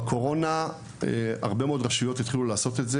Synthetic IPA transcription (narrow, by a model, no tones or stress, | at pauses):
kʰo̞ʁo̞na | ea̰ʁbe̞meo̞dʁaʃujo̞t̪it̪χilulaːso̞t̪etze